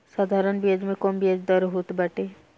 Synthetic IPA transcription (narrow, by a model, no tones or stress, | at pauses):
saːd̪ʱaːɾənbiəd͡ʒmẽkoːmbiəd͡ʒd̪əɾɦoːt̪bɐʈeː